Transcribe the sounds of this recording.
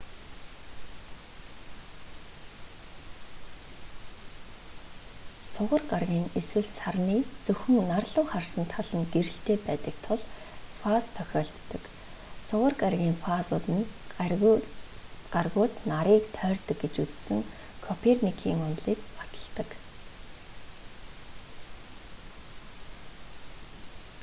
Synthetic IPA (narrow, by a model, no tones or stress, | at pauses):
sʊʁə̆rɢarɣʲiːŋeswɘ̆ɮsarniːt͡sɵxɵ̆ŋnarɮʊːχarsə̆nt̪ʰːaɮə̆nɡeɾɘ̆ɬt̪eːpæːt̪ə̆k̚t̪ʰʊɮ | fast̪ʰœxʲɔːɬt̪ːə̆k | sʊʁə̆rɢarɣʲiːŋfasʊːt̪ə̆n | ɢarɣʊːt̪naɾiːkt̪ʰœːrt̪ə̆k̚ɡet͡ɕut͡ssɘ̆ŋ | kʰɔpʰernikʰiːŋʊnɮiːkpat̪ə̥̆ɮt̪ə̆k